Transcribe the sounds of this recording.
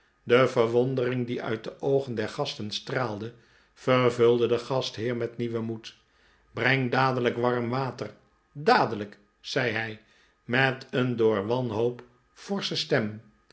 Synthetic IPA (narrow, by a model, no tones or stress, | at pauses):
dəvəɹʋɔndərɪŋdiœ̰ɥt̚dəʔowχəndɛɹχɑstənstraːlˠdə | fəɹvɵlˠdədəχɑstɦɪːɹmɛtniʋəmut | brɛŋdaːdələkʋɑɹmʋaːtər | daːdələk | z̥ɛjɦɛj | mɛtəndʊːɹʋɑnɦowp | fɔɹsəstɛm